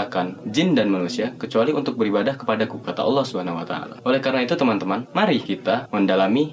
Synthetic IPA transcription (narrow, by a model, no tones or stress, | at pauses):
akand͡ʒɪndanmanusiakət͡ʃualiunt̪ʊk̚bəɾibadahkə̥padakukat̪a̰ʔɑ̰lːɔhsubəɦanaɦuat̪a̰a̰la̰ʔolɛhkaɾənait̪ut̪əmant̪əmanmaɾikit̪aməndalami